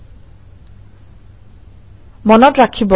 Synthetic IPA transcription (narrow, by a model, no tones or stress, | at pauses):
mɔnɔtɹakʰibɔ